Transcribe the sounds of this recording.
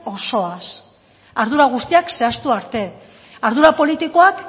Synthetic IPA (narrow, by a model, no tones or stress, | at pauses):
o̞so̞as | aɾðuɾaɣ̞ust̪iakse̞ast̪uaɾt̪e̞ | aɾðuɾapo̞lit̪iko̞ak